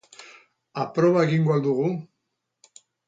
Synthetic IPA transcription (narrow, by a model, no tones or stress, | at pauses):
apɾoβ̞aeɣiŋɡwald̪uɣ̞u